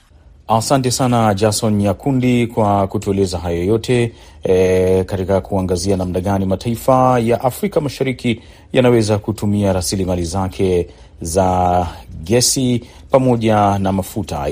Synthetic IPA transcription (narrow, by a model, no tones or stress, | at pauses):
asantɛsanad͡ʒasɔnjakʰundikwakutuɛlɛzaɦajojɔtʰɛ | katikakuaŋɡazianamnaɠanimatʰaifajaʔafɾikamaʃaɾiki | janawɛzakutumiaɾasilimalizakʰɛ | za | ɡɛsi | pamɔʄanamafuta̰